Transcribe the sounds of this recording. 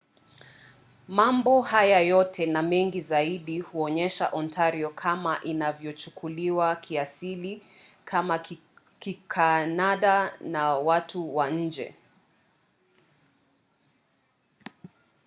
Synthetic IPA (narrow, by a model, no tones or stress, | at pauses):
mambɔhajajɔtʰɛnamɛŋɡizaiɗihuɔɲɛʃa̰ʔɔntʰaɾiɔkʰamaʔinavjɔt͡ʃukʰuliwakʰiasili | kʰama | kikʰanaɗanawatʰuwaɲ̩d͡ʒɛ̰